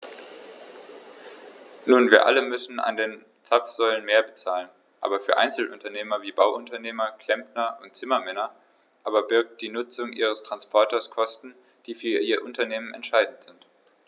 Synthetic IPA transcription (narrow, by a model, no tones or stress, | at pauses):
nuːnviːɐʔa̰ləmʏsn̩a̰ndeːn | t͡sapfz̥ɔʏlənmeːɐbət͡saːlən | ʔa̰ːbɐfyːɐʔa̰ɪnt͡sl̩ʔʊntɐneːmɐviːbaʊʔʊntɐneːmɐkʰl̥ɛmpnɐʔʊntt͡sɪmɐmɛnɐ | ʔaːbɐbɪɐk̚t̚d̥iːnʊt͡sʊŋʔḭːʁ̞əstʁ̥anspʰɔɐtɐskʰɔstn̩ | d̥iːfyːɐʔiːɐʔʊntɐneːmənɛ̰ntʃaɪdn̩tz̥ɪnt